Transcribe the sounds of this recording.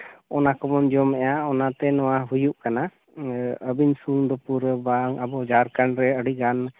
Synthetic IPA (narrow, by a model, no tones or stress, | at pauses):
ɔnakɔmɔnd͡ʒɔmɛjaɔnat̪ɛnɔwaɦujuʔkana | əbiɲsuŋd̪ɔpuɾbaŋabɔd͡ʒaɾkanɾɛəɽiɡan